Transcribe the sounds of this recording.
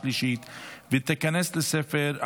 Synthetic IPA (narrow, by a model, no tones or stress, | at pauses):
liʃit̪vɪt̪ɪkanɛsləsɛfɛɾ